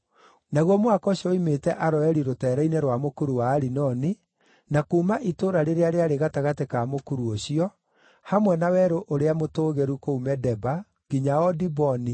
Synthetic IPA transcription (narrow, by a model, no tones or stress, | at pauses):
naɣwɔmwakɔɕiɔimetɛʔaɾɔɛɾiɾotɛːɾɛineɾwamokuɾuwaːɾinɔni | nakuːmaʔitoːɾaɾeɾeaɾeaɾeɣataɣatekamokuɾuoɕiɔ | hamwɛnawɛɾoʔoɾeamotoːɣeɾukoumɛdɛba | ɡiɲaɔdibɔni